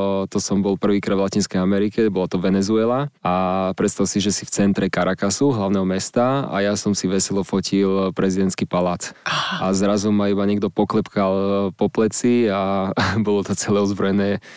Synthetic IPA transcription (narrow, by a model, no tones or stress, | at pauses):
t̪ɔsɔmbɔlpr̩ʋiːkɾad̪ʋlacinskɛjamɛɾikɛbɔlɔt̪ɔʋɛnɛzuɛlaapɾɛt̪st̪aʊsiʒɛsift͡sɛnt̪ɾɛkaɾakasuɦlaʊnɛɦɔmɛst̪aa̰jasɔmsiʋɛsɛlɔfɔcʰilpɾʔɛzid̪ɛnt̪skipalaːt͡saazɾazɔmaibaɲɛɡd̪ɔpɔklɛpkalpɔplɛt͡siabɔlɔt̪ɔt͡sɛlɛːɔzbɾɔjɛnɛː